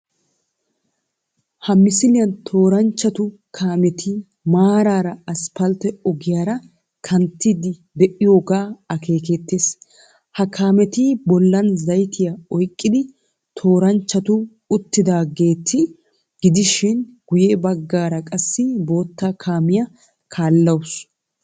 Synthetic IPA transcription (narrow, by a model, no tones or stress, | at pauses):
hɐmɪsɪlɪjɐnt̪ʰo̞ːɾɐnt͡ʃːɐt̪ʊkʰaːmɛt̪ʰi | maːɾaːɾɐɐspɐlt̪ɛɔɡɪjaːɾɐ | kʰɐnt̪ːɪd̪ɪd̪ɛʔɪjo̞ːɡaːɐkʰe̞ːkɛt̪ːeːs | hɐkʰaːmɛt̪ɪbɔlːɐnzɐjt̪ʰɪjɐɔjkʼːɪd̪ɪ | t̪ʰo̞ːɾɐnt͡ʃːɐt̪ʊ | ʊt̪ːɪd̪aːɡe̞ːt̪ʰːɪ | ɡ̥ɪd̪ɪʃɪnɡ̥ʊjebɐɡːaːɾɐkʼɐsːɪbo̞ːt̪ːaːkʰaːmɪjɐ | kʰaːlːɐws